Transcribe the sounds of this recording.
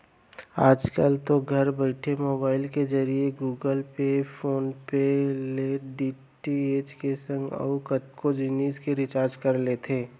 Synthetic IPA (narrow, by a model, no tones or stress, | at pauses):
aːd͡ʒkəlt̪oɡʱɐɾbəɪʈʰemoːbaːɪlkezɐɾieɡuːɡəlpepʰoːnpeleɖiː | ʈieːt͡ʃkesɐ̃ŋɡə̰ʊkət̪kod͡ʒɪniːskeɾɪt͡ʃaːɾd͡ʒkɐɾlet̪ʰeː